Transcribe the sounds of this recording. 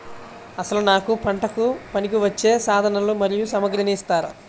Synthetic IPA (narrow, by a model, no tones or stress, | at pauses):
ɐsɐlunaːkupɐɳʈɐkupɐnikiʋɐt͡ʃːe̞ːsaːd̪ʱɐnɐlumɐɾijusɐmɐɡɾɐnist̪aːɾɐ̰